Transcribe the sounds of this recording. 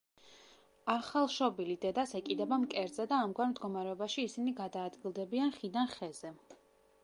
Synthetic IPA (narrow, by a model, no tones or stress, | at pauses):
aχalˠʃɔbilid̪ɛd̪asɛkʼid̪ɛbamkʼɛɾd̪zɛd̪aːmɡwaɾmd̪ɡɔmaɾɛɔbaʃiːsiniɡad̪aːd̪ɡilˠd̪ɛbianχid̪anχɛz̥ɛ